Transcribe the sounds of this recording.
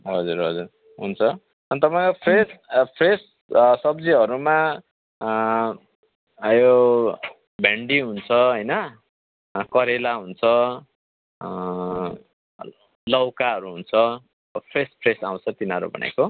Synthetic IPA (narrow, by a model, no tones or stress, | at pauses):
ɦʌd͡zuɾɦʌd͡zuɾ | ɦunt͡sʰʌ | ʌnt̪ʌpaĩkopʰrespʰres | sʌbd͡ziɦʌɾuma | jo | bʱeɳɖiɦunt͡sʰʌɦʌjnʌ | kʌɾelaɦunt͡sʰʌ | lʌwkaɦʌɾuɦunt͡sʰʌ | ʌpʰrespʰresaw̃t͡sʰʌt̪inʌɾṵbʱʌ̰nʔa̰jko